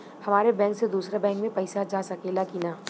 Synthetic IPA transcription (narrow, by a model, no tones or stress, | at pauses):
hɐmaːɾebɛ̃ːŋksed̪uːsɾabɛ̃ːŋkmẽpɐɪsad͡ʒaːsɐkeːlakinaː